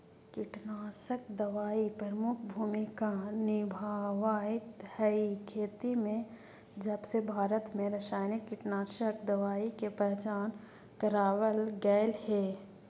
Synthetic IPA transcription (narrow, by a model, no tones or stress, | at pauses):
kɪʈnaːsəkd̪ɐʋaːipɾəɾəmʊkʰbʱuːmɪkanɪbʱaːʋaːɪt̪hɛikʰeːt̪imẽ | d͡ʒəbsebʱaːɾət̪mẽɾəʃaːɪnɪkːɪʈnaːʃək̚d̪ɐʋaːikepɛɦt͡ʃaːn | kəɾaːʋəlɡɛːlhe